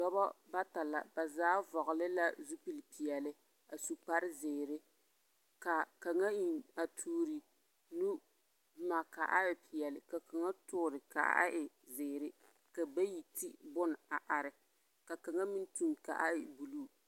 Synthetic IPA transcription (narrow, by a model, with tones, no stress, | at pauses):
dɔ˦bɔ˦ba˦ta˨la̰˨ba˨zaː˦vɔ˨ɣʊ˨lɪ˦la˦zu˦pi˦lpi˨jɛ˨lɪ˦ | a˨su˨k͡pa˦ɾɪ˦zɪː˨ɾɪ˦ | ka˨ka˨ŋa˦i˨na˨tʰuː˦ɾi˨ | nu˦ | bma˨ka˨ʔa˦ɪ˨pɪ˨jɛ˨lɪ˨ka˨ka˨ŋa˦tʊ˦ɾɪ˨ka̰˨ʔa̰˦ʔa̰˦ʔɪ˨ | zɪː˨ɾɪ˦ | ka˨ba˦ji˨tʰi˦bʊ˦n˨a˨ʔa˨ɾɪ˨ | ka˨ka˨ŋa˦mi˦n˦tu˦mka̰˨ʔa˦ɪ˨bu˨luː˦˨